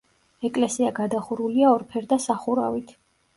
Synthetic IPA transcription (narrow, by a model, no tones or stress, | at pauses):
ɛkʼlɛsiaɡad̪aχuɾuliaɔɾpʰɛɾd̪asaχuɾa̰vit̪ʰ